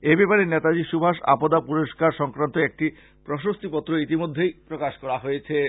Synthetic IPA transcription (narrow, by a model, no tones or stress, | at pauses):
ebepaɾenet̪ad͡ʑiʃubʱaʃa̰pod̪apuɾoʃkaɾʃɔŋkɾant̪oek̚ʈi | pɾoʃost̪ipɔt̪ːɾoit̪imod̪ʱːejpɾokaʃkɔɾaɦojet͡ɕʰe